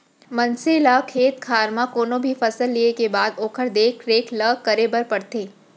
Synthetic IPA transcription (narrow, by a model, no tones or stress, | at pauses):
mɐ̃nseləkʰeːt̪kʰaːɾmãkoːnõbʱifɐsəlːiekebaːd̪oːkʰəɾd̪eːkʰɾeːkʰləkɐɾebɐɾpɐɽt̪eː